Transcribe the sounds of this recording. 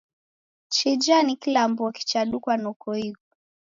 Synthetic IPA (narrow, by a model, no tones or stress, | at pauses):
t͡ʃid͡ʒanikilambuɔki̥t͡ʃaɗukwanɔkɔikɔ